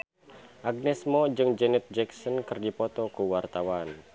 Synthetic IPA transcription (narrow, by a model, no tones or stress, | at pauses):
ʔaɡ̚nɛsmɔd͡ʒɨŋd͡ʒɛnɛt̪̚d͡ʒɛksɔnkɨrdipɔt̪ɔkuwart̪awan